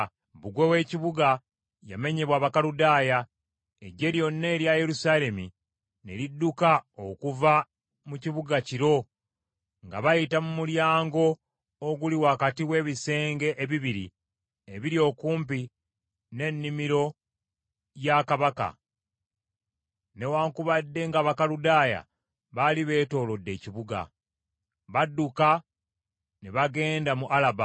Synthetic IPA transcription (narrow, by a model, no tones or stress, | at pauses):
βuɡwewe̞ːciβuɡa | ja̰me̞ɲeβwaːβakaludaːja | ḛɟe̞ɾjo̞nːe̞ːɾjaje̞ɾusaːle̞mḭ | ne̞̰lidːukaokuva | muciβuɡaciɾo̞ | ŋɡa̰βajitamumuljaːŋɡo̞ː | ɡuliwakatiwe̞ːβise̞ːŋɡe̞ʔeβiβiɾḭ | eβiɾjo̞ːkuːmp̬i | ne̞nːimiɾo̞ | jakaβaka̰ | ne̞waːŋkuβadːe̞ŋɡaβakaludaːja̰ | βaliβe̞ːto̞ːlo̞dːe̞ːciβuɡa̰ | βadːuka | neβaɡe̞ːndamuʔalaba̰